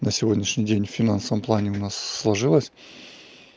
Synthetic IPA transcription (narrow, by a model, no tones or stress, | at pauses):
nəsʲɪvodʲnʲɪʂnʲɪjdʲenʲfʲɪnansəvəmplˠanʲɪʊnasːlˠɐʐɨlˠəsʲ